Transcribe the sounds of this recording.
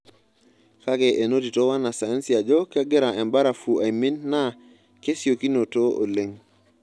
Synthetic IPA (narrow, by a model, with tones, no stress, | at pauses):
ka˦kɛ˨ʔe˨no˦ti˨to˦wa˦na˨sa˨ɛ˦nsi˨a˨d͡ʒɔ˦kɛ˦ɡɪ˦ɾa˨ɛ˨mba˦ɾa˨fu˨a˨i˨mi˦nːa˦ | ke˦si˨o˨ki˦no˨to˦o̰˨le˨ŋ